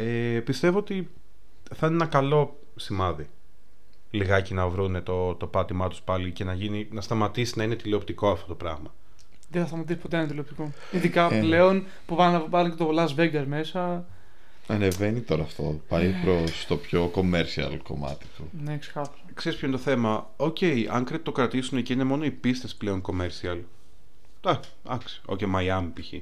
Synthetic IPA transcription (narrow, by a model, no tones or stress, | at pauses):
epist̪e̞voot̪i | θɐnenɐkɐlo̞ | simɐði | liɣɐcinɐvɾune̞t̪o̞t̪o̞pɐt̪imɐt̪u̥spɐlice̞nɐʝininɐst̪ɐmɐt̪isinɐine̞t̪ileopt̪iko̞ɐft̪o̞t̪o̞pɾɐɣmɐ | ðeθɐst̪ɐmɐt̪isi̥po̞t̪enɐt̪ileopt̪iko | iðikɐple̞on | puvɐnɐvɐluncet̪olɐzveɡɐɾme̞sɐ | ɐne̞venit̪o̞ɾɐːft̪o̞̰pɐjpɾost̪o̞pço̞ko̞meɾsiɐ̰lko̞̰mɐ̰t̪i̥t̪unekse̥xɐf | kse̞ɾispçont̪oθe̞mɐ | o̞ce̞iʔɐ̰ŋkɾet̪o̞kɾɐt̪isuneciine̞mo̞no̞ipist̪esple̞o̞ŋko̞meɾsiɐl | d̪̥ɐk | d̪ɐksi̥o̞̰cemɐjɐmpiçi